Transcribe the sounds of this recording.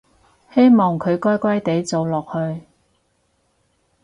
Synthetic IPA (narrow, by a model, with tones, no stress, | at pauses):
he˥jmɔː˨˩ŋkʰɵ˨˧ɥkɔː˥jkʷɐ˥jt̪e˨˥jt͡so˨˧wlɔː˨k̚hɵ˧ɥ